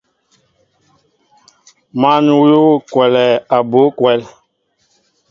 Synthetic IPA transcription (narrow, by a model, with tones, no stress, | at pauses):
ma˦nu˨wo˦˨kwɛ˨lɛ˨a˨bo˨˦kwɛ˨˦l